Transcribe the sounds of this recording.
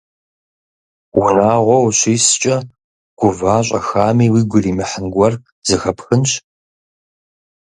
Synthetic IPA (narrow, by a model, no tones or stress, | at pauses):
wʊnaːʁʷɔwɕʷiːst͡ʃʼɐ | ɡ̥ʷʊvaːɕ̬ʷʼɐ̰xaːmiːwiːɡʷʊriːmɨħənɡʷɔr | z̥ɨxɐpxɨnɕ